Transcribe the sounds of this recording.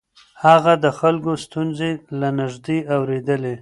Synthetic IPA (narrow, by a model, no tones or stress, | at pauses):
haɣad̪əxalkost̪unzelanɪʒd̪eawɾed̪əle